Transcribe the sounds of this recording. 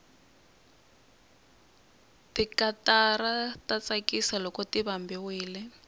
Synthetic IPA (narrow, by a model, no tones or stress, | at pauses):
tikataratat͡sakisalɔkɔtiβambiwiːlɛ